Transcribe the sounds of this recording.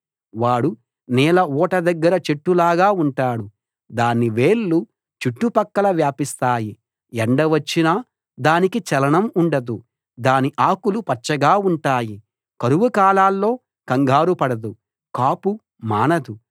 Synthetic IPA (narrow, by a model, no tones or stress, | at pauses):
ʋaːɽu | nɛːlɐɔːʈɐd̪ɐɡːɐɾɐt͡ʃeʈːulaːɡaːuɳʈaːɽu | d̪aːnːiʋeːlːu | t͡ʃiʈːupɐkːɐlɐʋjaːpist̪aːji | ɛɳɖɐʋɐt͡ʃːinaː | d̪aːnikit͡ʃɛlɐɳɐmuɳɖɐd̪u | d̪aːniʔaːkulupɐt͡ʃt͡ʃːɐɡaːuɳʈaːji | kɐɾuʋukaːlaːlːo̞ː | kɐŋɡʱaːɾupɐɽɐd̪u | kaːpu | maːnɐd̪u